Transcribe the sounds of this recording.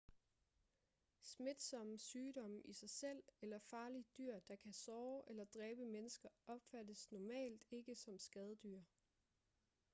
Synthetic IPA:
sme̝d̥sɒ̽msyːɾɒ̽mʔisɑ̈ɪsel̰elɐfɑ̈ːlid̥yɐ̰d̥ɑ̈kʰæsɒːʔelɐd̥ʁɛːb̥əmenəsɡ̥ɐɒ̽b̥fæd̥əsnɒmɛ̰ːld̥e̝ɡ̥əsɒ̽msɡ̥ɛð̞ˠəd̥yɐ̰

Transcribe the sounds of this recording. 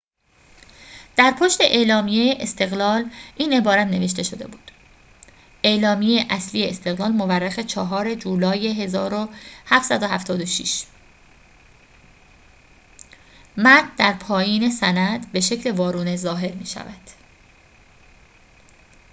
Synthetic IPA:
d̪̥æɾpʰoʃt̪e̞ʔe̞ːlɒːmijejeʔest̪ʰe̞ɣlɒːlʔiːne̞bɒːɾæt̪ʰne̞ve̞ʃ̬t̪e̞ʃo̞d̪e̞̰buːd̪̥ | ʔe̞lɒːmijejeʔæsliːjeest̪e̞ɣlɒːlmo̞værːexe̞t͡ʃʰɒɦɒːɾe̞d͡ʒuːlɒːjeɦezɒːɾohæft̪sæd̪o̞ɦæft̪ʰɒːd̪oʃḭʃ | mæd̪̚d̪æɾpʰɒːjiːne̞sænæd̪be̞ʃe̞cʰle̞vɒːɾuːnezɒːɦe̞ɾmiːʃæ̰væd̪̥

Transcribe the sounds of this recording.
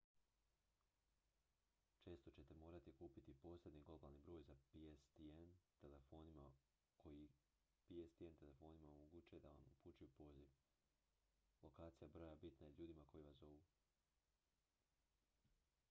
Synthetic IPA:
t͡ʃe̞ːst̪o̞t͡ɕe̞t̪e̞mo̞ːɾat̪ikuːpit̪ipo̞ːsle̞d̪niɡlo̞baːlˠnibɾo̞ːjzapiest̪ient̪elefo̞ːnima | kʰo̞ji | piest̪ient̪e̞le̞fo̞ːnimaomoɡuːt͡ʃujed̪ao̰nṵput͡ʃujupo̞ːziʋ | lˠo̞kaːt̪sijabɾo̞jabit̪najeʎuːd̪imako̞jiʋaso̞ʋuː

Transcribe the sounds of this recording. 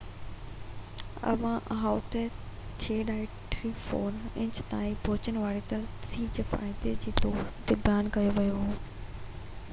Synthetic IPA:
ɐ̰ʋãʔɦaːʊt̪e | t͡ɕʰeːɖaːɛkʈɾifɔːɾɪ̃ɲt͡ɕt̪aːiboːt͡ɕənɪ̆ʋaːɽet̪ɐsiːbd͡ʑeːfa̰ːɪd̪ed͡ʑiːt̪ɔːt̪ɪbjaːnkɐjoʋɐjoɦuː

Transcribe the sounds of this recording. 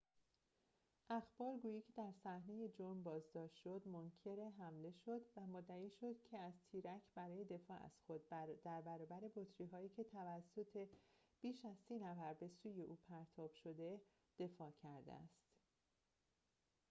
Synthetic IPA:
ʔæxb̥ɒːɾɡuːjiːcʰed̪æɾsæhne̞je̞d͡ʒoɾmbɒːzd̪ɒːʃt̪ʃo̞d̪moncʰe̞ɾeɦæmle̞ʃo̞d̪væmod̪ːæiːʃo̞d̪̥̚cʰe̞æzt̪ʰiːɾæcʰbæɾɒːje̞d̪e̞fɒːʔæ̰z̥xo̞d̪̚bd̪æɾbæɾɒːbæɾe̞bot̪ʰɾiːɦɒːiːcʰe̞t̪ʰævæsːo̞t̪ʰe̞b̥iːʃæzsiːnæfæɾbe̞suːje̞ʔuːpʰæɾt̪ʰɒːb̥ʃo̞d̪e̞ | d̪̥e̞fɒːcʰæɾd̪ḛæ̰st̪

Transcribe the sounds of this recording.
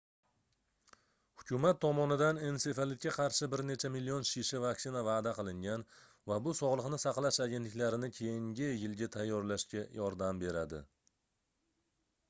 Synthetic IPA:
hʊkʰʲʊmat̪ʰːɒmɒnɪd̪ane̞nse̞falɪt̪̚kʰʲaqʰɑɾʃɪbɪɾne̞t͡ʃʰamilːionʃiʃɪvaksɪnavaːd̪aqɨlˠɪŋɡʲan | vabʊsɒʁlˠɨqnɪsɑqlˠaʃaɡʲe̞nt̪lɪkʲlaɾɪnɪkʲʰe̞jɪŋɡʲɪjɪlɡʲat̪ʰajːɒɾlaʃkʲajɒɾd̪ambe̞ɾad̪ɪ̰

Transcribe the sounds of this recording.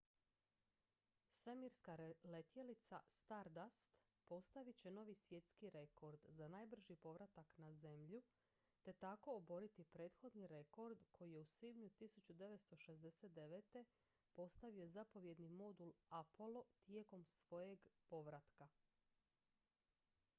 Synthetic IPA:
sʋemiɾskale̞t̪je̞lit̪sa̰st̪aɾd̪ast̪ | po̞st̪aʋit͡ɕe̞no̞ːʋisʋje̞t̪skiɾe̞ko̞ɾd̪zanajbr̩ʒipo̞ʋɾat̪aknaze̞mʎu | t̪e̞t̪ako̞ːbo̞ɾit̪ipɾe̞ːt̪xo̞d̪niɾe̞ko̞ɾd̪kʰo̞jije̞usʋibɲut̪isut͡ɕud̪e̞ʋe̞t̪st̪o̞ʃe̞zd̪e̞set̪̚d̪e̞ʋet̪e̞ | po̞st̪aʋio̞zapo̞ʋje̞d̪nimo̞d̪ulapo̞lo̞t̪je̞ko̞msʋo̞je̞ɡpo̞ʋɾat̪ka

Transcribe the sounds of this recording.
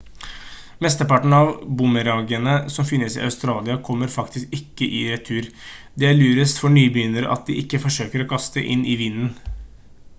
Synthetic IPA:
mɛst̪əpɑʈɳ̩ɑʋbʊməɾɑːɡənəsɔmfɪnːəsɪ̰ɑ̰ʉst̪ɾɑːlɪɑkʰɔmːəɾfɑkt̪ʰɪskɪkːəʔɪɾɛt̪ʰːʉːɾd̪ɛæɭyːɾəst̪fɔɳyːbəjʏnəɾə̰ʔɑ̰t̪̚d̪ɪʔɪkːəfɔʂøːkəɾɔkʰɑst̪ə̰ʔɪnʔɪʋɪnːən̩

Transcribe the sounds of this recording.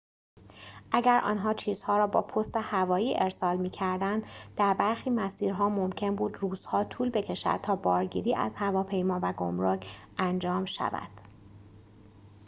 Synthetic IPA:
ʔæɟæɾʔɒ̰ːnɦɒːt͡ʃʰiːz̥hɒːɾɒːbɒːpʰost̪e̞hævɒːjiːʔeɾsɒːlmiːcʰæɾd̪ænd̪d̪æɾbæɾxiːmæsiːɾɦɒːmo̞mcʰe̞nbuːd̪ruːz̥hɒːt̪ʰuːlbe̞cʰe̞ʃæ̰d̪̥̚t̪ʰɒːbɒːɾɟḭːɾiːʔæ̰zhævɒːpʰe̞jmɒːvæɡo̰mɾokʰʔænd͡ʒɒːmʃæ̰væ̰d̪̥

